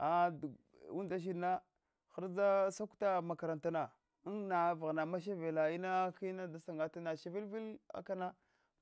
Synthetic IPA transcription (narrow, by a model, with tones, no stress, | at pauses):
a˨d | u˦da˦ʃ̬i˦˨na˦ | xa˦ɾd͡za˦sa˦kta˦ma˨ka˨ɾa˨nta˨na˨˦ | nna˨va˨ɣna˨ma˦ʃ̬a˦ve˨la˨i˦na˦ki˦na˦da˨sa˨ŋɡa˨ta˦na˨ʃa˨vi˦lvi˦la̰˦ka˦na˦